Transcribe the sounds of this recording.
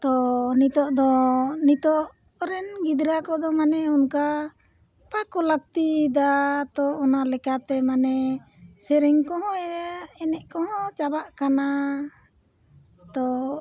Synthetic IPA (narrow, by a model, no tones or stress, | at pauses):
t̪ɔnit̪ɔʔd̪ɔnit̪ɔʔ | ɾɛnɡid̪ɾakɔd̪ɔmanɛunka | pakɔlak̚t̪id̪at̪ɔːnalɛkat̪ɛmanɛ | sɛɾɛŋkɔɦɔ̃ɛaɛnɛʔkɔɦɔ̃t͡ʃabaʔkana | t̪ɔ